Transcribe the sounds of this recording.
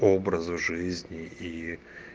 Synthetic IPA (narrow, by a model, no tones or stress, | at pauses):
obɾəzʊʐɨzʲnʲɪi